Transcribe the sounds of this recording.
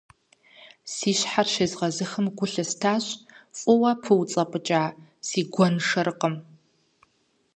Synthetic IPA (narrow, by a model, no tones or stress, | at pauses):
siːɕħarʃeːzʁɐzɨxəmɡʷʊɬɨstʰaːɕʼfʼʊwɐpʰɨwt͡sʼɐpʼɨt͡ʃʼaːsiːɡʷɔnʂɐrɨqʼəm